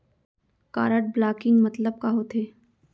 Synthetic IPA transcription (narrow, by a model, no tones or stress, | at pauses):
ka̰ːɾəʈ̚blaːkɪ̃ŋɡmɐt̪ləb̚kaɦot̪ʰeː